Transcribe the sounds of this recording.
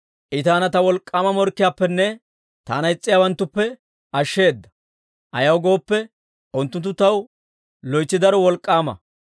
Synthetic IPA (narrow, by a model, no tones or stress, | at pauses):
ʔɪt̪aːnɐt̪ɐwɔlkʼːaːmɐmɔɾkːɪjaːpːɛnːɛ | t̪a̰ːnɐjɪt͡sʼːɪjaːwɐnt̪ːʊpːɛ | ʔɐʃːe̞ːd̪ːɐ | ʔɐ̰jɐwɡo̞ːpːɛ | ʔʊnt̪ːʊnt̪ːʊt̪ɐw | lɔjt͡sːɪd̪ɐɾɔwɔlkʼːaːmɐ̰